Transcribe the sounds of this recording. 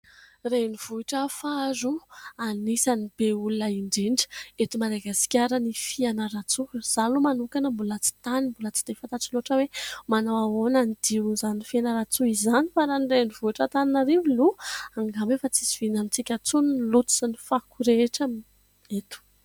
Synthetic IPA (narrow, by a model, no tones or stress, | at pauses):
reniv̥uiʈ͡ʂəfazuanisanibeulunaiɳɖ͡ʐeɳɖ͡ʐə̥et̪umaɾaɡasi̥kʲaɾənifianəɾat͡suz̥alumanukanəmbulat͡si̥t̪animbulət͡si̥d̪̥efant̪aʈ͡ʂiloʈ͡ʂəwemanawaonanid̪iuzanifianəɾat͡suizanifaɾanirenivuiʈ͡ʂat̪aninaɾiviluaŋɡamefat͡siziv̥inamit͡sikʲat͡sunnlut̪u̥sanifakuɾeʈ͡ʂəm | et̪u̥